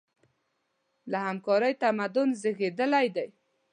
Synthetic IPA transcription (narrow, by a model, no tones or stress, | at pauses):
lahamkɑɾəjt̪amad̪ʊnzɪɣed̪əlajd̪aj